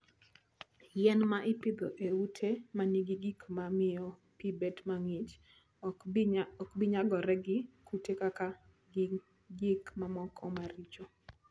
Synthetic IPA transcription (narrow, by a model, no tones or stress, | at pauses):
jɛnmaʔɪpɪd̪ɔʔeutʰemaniɡiɡikmamɪjɔ | pibetmaŋɪt͡ʃ | ɔkbɪɲaɡɔɾɛɡɪkutekaka | ɡikmamɔkʰɔmaɾit͡ʃo